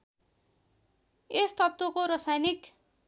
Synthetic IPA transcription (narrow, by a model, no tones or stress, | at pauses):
est̪ʌt̪wokoɾʌsajnik